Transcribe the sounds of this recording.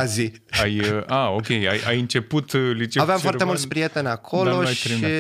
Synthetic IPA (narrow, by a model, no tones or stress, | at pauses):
azi | ajaokʲe̞jajajɨnt͡ʃe̞put̪lit͡ʃeavvamfoat̪emult̪spɾije̞t̪e̞nʲakʰo̞lo̞ʃaɾii